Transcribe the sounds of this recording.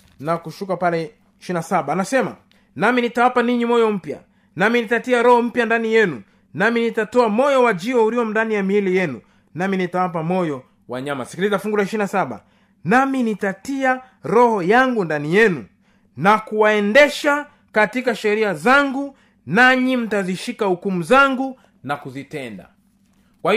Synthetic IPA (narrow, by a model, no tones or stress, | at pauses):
nakuʃukapalɛ | iʃinasaɓaːnasɛma̰ | naminitawapaniɲimɔjɔm̩pja̰ | naminitatiaɾɔhɔm̩pjandanijɛnṵ | naminitatɔamɔjɔwad͡ʒiɔuɾiɔm̩ndanijamiilijɛnu | naminitawap̬amɔjɔ | wa̰ɲama̰sikilizafuŋɡulaiʃinasaɓa̰ | naminitatia | ɾɔhɔjaŋɡundanijɛnu | nakuwaɛndɛʃa | katikaʃɛɾiazaŋɡu | naɲim̩taziʃikahukumuzaŋɡu | nakuzitɛnda̰ | kwahi